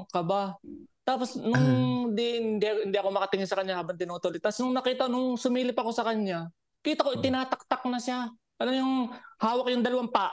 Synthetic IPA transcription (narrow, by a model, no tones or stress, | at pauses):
kɐbat̪aːpo̞snʊŋd̪iɪnd̪iʔhɪnd̪iʔɐko̞mɐkɐt̪ɪŋɪnsɐkɐɲɲahaːbɐŋt̪ɪnuːt̪olɪt̪ːɐsnʊŋnɐkiːt̪ɐnʊŋsʊmiːlɪpɐko̞sɐkɐɲɲa | kiːt̪ɐkoʔɪt̪ɪnaːt̪ɐk̚t̪ak̚nɐʃa | ʔɐlamɲʊŋhaːwɐk̚jʊŋd̪ɐlɐwampaːʔ